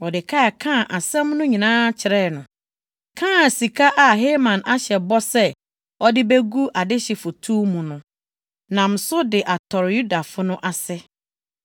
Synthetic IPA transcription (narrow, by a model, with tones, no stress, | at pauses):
ɔ˨dɪ˨kʰa˦˨kʰã˦˨ʔa˨sɛ̃˦mnʊ̃˦ɲĩ˨nãː˦t͡ɕʰɪ˨ɾɛ˦˨nʊ̃˨ | kʰãː˦˨si˨kʰa˦ʔa˨ɦeː˦mã˨na˦ɕɛ˨bɔ˦sɛ˦ | ɔ˦dɪ˦be˦ɡu˦ʔa˨dɪ˦ɕɛ˨fʊ˨tʰu˦mũ˨nʊ̃˨ | nã˨m̩˨sʊ˦dɪ˨ʔa˨tʰɔ˨ɾju˦da˨fʊ˦nʊ̃˦ʔa˨sɛ˦